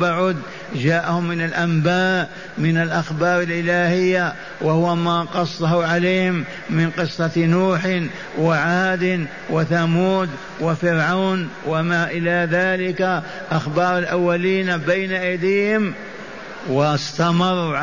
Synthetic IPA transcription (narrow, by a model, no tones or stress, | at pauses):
baʕʊd̪ | ʒaːʔhʊmːɪnalʔambaːʔ | mɪnalʔaxbɑːɾˤɑlʔɪlaːhɪjːa | wahʊwamaqɑsˤːɑɦuʕalejːhɪmː | ɪnqɨsˤːɑnuːħ | waʕaːd̪ɪn | wɪθamuːd̪ | wafɪɾʕawnwamaʔɪlaðaːlɪka | ʔaxbɑːɾˤɑlʔawːaliːnabajnaʔajd̪iːhɪm | wɪst̪amɑɾˤːʕ